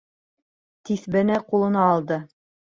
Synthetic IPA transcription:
t̪iθbɘ̆næqulˠɤ̆nɑːlˠd̪ɤ

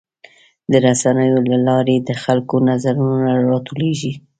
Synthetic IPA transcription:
d̪əɾasanəjolalɑɾed̪əxalkonazaɾunonaɾɑt̪oleʒi

